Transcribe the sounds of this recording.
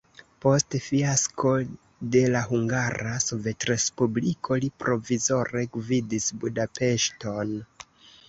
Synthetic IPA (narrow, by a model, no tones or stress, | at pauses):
po̞stfiasko̞ | de̞laɦuŋɡaɾaso̞ve̞tɾe̞spublikʰo̞lipɾo̞vizo̞ɾe̞ɡvidisbudape̞ʃto̞n